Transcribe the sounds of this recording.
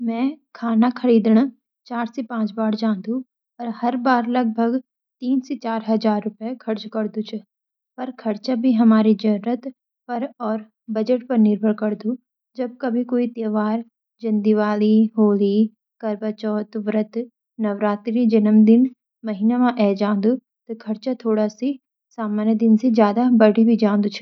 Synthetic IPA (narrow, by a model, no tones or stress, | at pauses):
mɛ̃ːkʰaːnakʰɐɾiːd̪ɽ̃ | t͡ʃaːɾsepãːt͡ʃbaːɽd͡ʒãːd̪ũ | ɔɾhɐɾbaːɾlɐɡ̚bʱəɡ | t̪iːnset͡ʃaːɾɦɐd͡ʒaːɾːʊpjekʰɐɾt͡ʃkɐɾd̪ũt͡ʃʰ | pɐɾkʰɐɾt͡ʃabʱiɦɐmaːɾid͡ʒɐɾɾət̪ | pɐɾɔːɾ | bɐd͡ʒəʈpɐɾnɪɾbʱəɭkɐɾd̪ũ | d͡ʒɐb̚kɐbʱikoːit̪eːʋaːɾ | d͡ʒɐ̃nd̪iʋaːliɦoːli | kɐɾbət͡ʃɔːt̪ʋɾət̪ | nɐʋɾaːt̪ɾid͡ʒɐnəmd̪ɪn | mɐɦinamãʔɛːd͡ʒãːnd̪u | t̪okʰɐɾt͡ʃat̪ʰoːɽasi | saːmaːnjəd̪ɪnsed͡ʒjaːd̪abɐɽ̤ibʱid͡ʒãːnd̪ut͡ʃʰ